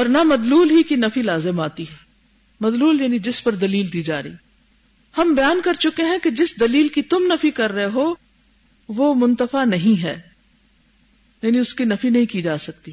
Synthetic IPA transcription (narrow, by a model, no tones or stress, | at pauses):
ɔːɾnamɐd̪luːlɦikinɐfilaːzɪmaːt̪iɦɛː | mɐd̪luːljaːnid͡ʒɪspɐɾd̪ɐliːld̪iːd͡ʒaːɾɐiː | hɐmbɐjaːnkɐɾt͡ʃʊkeɦɛ̃ked͡ʒɪsd̪ɐliːlkit̪ʊmnɐfikɐɾːɐɦeɦoː | ʋomʊ̃nt̪əfanɐɦĩɦɛː | jaːnĩʊskinɐfinɐɦĩkid͡ʒaːsɐk̚t̪i